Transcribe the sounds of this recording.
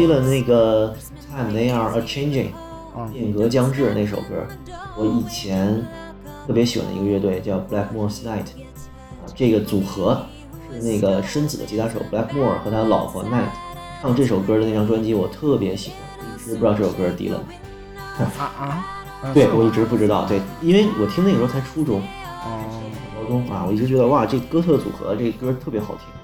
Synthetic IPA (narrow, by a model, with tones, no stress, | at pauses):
i˥lə˨ne˥˩ɪɡə˩ | t̪ʰa˥˩mna˥˧ɪɑ˥˩ʔə˧t͡ʃʰe˥ɪnd͡ʒɪ̰˨˩ŋ | jɛ˥˩ŋkɤ˧˥t͡ɕjɑ˥ŋʈ͡ʂɻ̩˥˩ə˧ne˥˩ɪʂo˨˩ʊkɤ̰˥ | wɔ˧˥i˨˩t͡ɕʰjɛ˧˥n | t̪ʰɤ˥˩pjɛ˧˥ɕi˨˩wa̰˧˩nd̪ə̰˧ḭ˧ɡə˥ɥɛ˥˧t̪we˥˧ɪt͡ɕjɑ˥˩ʊpla˥kmɔ˥˩sna˥˩ɪtʰ | a̰˧ʈ͡ʂɤ˥˩ɡə˩t͡su˨˩xɤ˧˥ | ʂɻ̩˥˧ne˥˩ɪɡə˩ʂə˥nt͡sɹ̩˨˩ə̰˧t͡ɕʰi˧˥t̪ʰa˥ʂo̰˨˧˩ʊpla˥kmwɔ˥˩xɤ˧˥t̪ʰa˥ə˧lɑ˨˩ʊxɔ̰˧˥na˥˩ɪt̪ʰ | ʂɑ˥˧ŋʈ͡ʂɤ˥˩ʂo˨˩ʊkɤ˥də˧e˥˩ʈ͡ʂʰɑ˥ŋʈ͡ʂwa˥nt͡ɕi˥wɔ˨˩t̪ʰɤ˥˩pjɛ˧˥ɕi˨˩xwa̰˧˥˦nwi˥˩ʈ͡ʂɻ̩˧˥pu˧˥ɑ˥˧ʈ͡ʂɤ˥˩ʂo˨˩kɤ˥˧t̪ḭ˧˥lə̰˧mɐ˨˩ | t̪we˥˩ɪwɔ˨˩i˥˩ʈ͡ʂɻ̩˧˥pu˥˩ʈ͡ʂɻ̩˥t̪ɑ˥˩ʊt̪we˥˩ɪi˥nwe˥˩ɪwʔɔ˨˩t̪ʰi˥ŋd̪ə˥˨˩ɔ˥˩t͡sʰɪʈ͡ʂʰu˥ʈ͡ʂʊ˥ŋ˥˨˩ | ɑ˥kʊ˥ŋfa̰˥wɔ˨˩i˥˩ʈ͡ʂɻ̩˧˥t͡ɕɥɛ˧˥d̪ə˧wa˥˧˩ʈ͡ʂɤ˥˩ɡə˩kɤ˥t̪ʰɤ˥˩ə˩t͡sṵ˨˩xɤ̰˧˥ʈ͡ʂɤ˥˩ɡə˩kɤ˥˧t̪ʰɤ˥˩pjɛ˧˥xɑ˨˩ʊt̪ʰi˥ŋ